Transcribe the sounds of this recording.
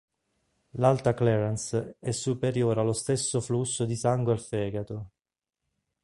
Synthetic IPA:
lalt̪aklɛɾansɛsːupeɾjoːɾalːost̪esːoflusːod̪isaŋɡwealfɛːɡat̪o

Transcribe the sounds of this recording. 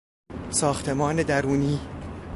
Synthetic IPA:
sɒːxt̪ʰe̞mɒːned̪æɾuːniː

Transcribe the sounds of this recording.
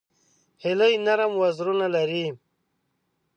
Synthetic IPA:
hiləjnaɾamwazɾunalaɾi

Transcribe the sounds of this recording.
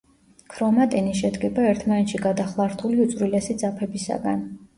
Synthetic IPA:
kʰɾɔmat̪ʼɛniʃɛd̪ɡɛbaɛɾt̪ʰmanɛt̪ʃiɡad̪aχlˠaɾt̪ʰuliut̪sʼɾilɛsid̪zapʰɛbisa̰ɡa̰n

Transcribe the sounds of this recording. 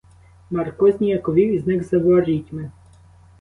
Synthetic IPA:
mɐrkɔzʲnʲijɐkɔʋʲiwiznɪɣzɐʋɔɾʲitʲmɪ

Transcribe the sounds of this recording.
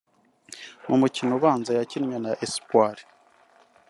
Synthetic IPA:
mumucinoβaːnzajacinɲanaʔespwaɾi̥

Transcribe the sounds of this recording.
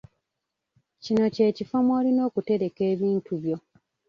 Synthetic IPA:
cino̞ce̞ːcifomoːlino̞ːkute̞ɾe̞ke̞ːβiːntuβjo̞

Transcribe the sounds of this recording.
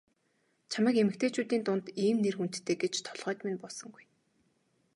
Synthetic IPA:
t͡ɕʰaməːkemɘ̆kt̪ʰeːt͡ɕuːt̪iːnt̪ʊnt̪iːmnerxun̥t̪ːʰeːɡet͡ɕt̪ʰɔ̥ɮʁœːt̪menpɔsɞ̆ŋɡuj

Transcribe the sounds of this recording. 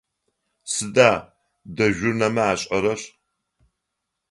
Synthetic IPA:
sɨdaː | dɐʒʷᶣʊrnɐmɐaːɕʼɐɾɐɕ

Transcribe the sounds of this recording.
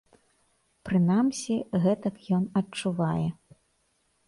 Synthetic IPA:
pɾɨnamsʲiɣɛt̪ɐkjɔnɐt͡ʂːuvajɛ

